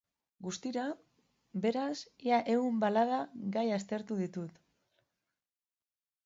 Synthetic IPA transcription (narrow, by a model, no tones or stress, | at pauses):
ɡust̪iɾa | be̞ɾasiaʔe̞umbalaðaɡajast̪e̞ɾt̪uðit̪ut̪